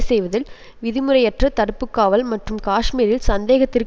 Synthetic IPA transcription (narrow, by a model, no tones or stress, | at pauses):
sɛjʋɐðɪl | ʋɪðɪmɯɾɐjɛʈrɐt̪ɐɽɯpːɯkːaːʋɐlmɐʈrɯmkaːʂmiːɾɪlsɐnd̪eːɣɐt̪ːɪrk